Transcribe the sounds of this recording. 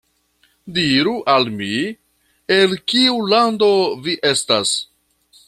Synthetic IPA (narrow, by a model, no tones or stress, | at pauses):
diɾuʔalmi | e̞lkiulando̞viʔe̞stas